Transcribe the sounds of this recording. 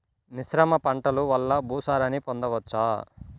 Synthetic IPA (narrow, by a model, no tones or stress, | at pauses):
nisɾɐmɐpɐɳʈɐluʋɐlːɐbʱuːsaːɾɐnipond̪ɐʋɐt͡ʃːaː